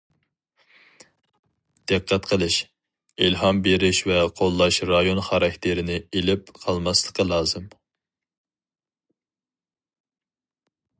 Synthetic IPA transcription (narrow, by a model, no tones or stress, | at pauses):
d̪̥æqʰːɛt̪qʰəlˠɨʃ | ilɦɑmbeɾɪʃvɛqʰolˠːɑʃɾɑjonχɑɾɑkʲt̪ʰɪɾɪnɪelɪpqʰɑlˠmɑslˠə̥qʰːɑlˠɑːzɨm